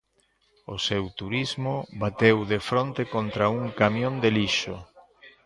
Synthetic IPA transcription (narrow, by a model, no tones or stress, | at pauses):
osewt̪uɾizmoβat̪ewðefɾont̪ekont̪ɾauŋkamjõnd̪eliʃoʊ̰